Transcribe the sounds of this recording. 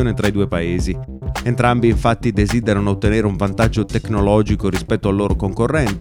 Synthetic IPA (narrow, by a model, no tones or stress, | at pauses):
oːnet̪ɾaid̪uːepaeːzi | ent̪ɾambiːɱfat̪ːid̪eziːd̪eɾanoːt̪ːeneːɾeuɱvant̪ad͡ʒːot̪eknolɔːd͡ʒikoɾispɛt̪ːoalːoːɾokoŋkorːɛnt̪